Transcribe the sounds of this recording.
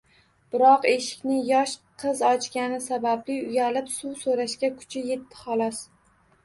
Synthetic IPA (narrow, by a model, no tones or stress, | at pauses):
b̥ɪɾɒqe̞ʃɪ̥kʲnɪjɒʃqʰɨzɒt͡ʃɡʲanɪsabablɪʊjalɪpsuwsoɾaʃkʲakʰʊ̥t͡ʃʰɪje̞t̪ʰːɪ̥χɒlˠɒs